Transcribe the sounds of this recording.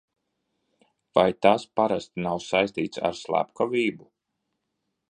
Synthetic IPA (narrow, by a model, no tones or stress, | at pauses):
vajt̪aspaɾast̪nawsajsʲt̪iːt̪sa̰ɾslˠa̰pkɔviːbu